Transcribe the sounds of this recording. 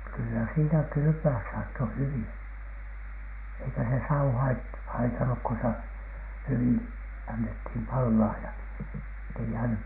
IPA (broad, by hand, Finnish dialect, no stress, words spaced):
kylːæ siːnæ kyly̆pøæs sɑːtːo hyʋin̥ eikæ se sɑu hɑit hɑitɑnuk ko se hyʋin ɑnːethin pɑlːɑː jɑ etːei jæːnyk